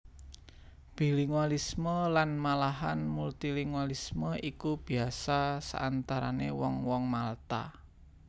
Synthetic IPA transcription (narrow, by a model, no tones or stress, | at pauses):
b̥i̤liŋwalisməlanmalaɦanmult̪iliŋwalisməikub̥i̤asasa̰ʔant̪aɾa̰newɔŋwɔŋmalt̪a̰